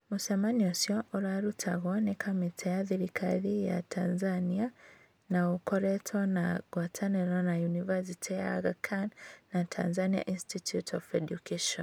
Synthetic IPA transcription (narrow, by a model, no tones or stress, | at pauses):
musamaniosjɔʔuɾaɾutʰaɣɔnɛkʰamitʰɛjaðiɾikʰaðija̰tʰanzania | naukɔɾɛtʰɔnaɣwatʰanɛɾɔnajunivas̬itʰija̰ɣakʰannatʰa̰nzania̰ʔinstitjutʰɔfedjukʰaʃɔn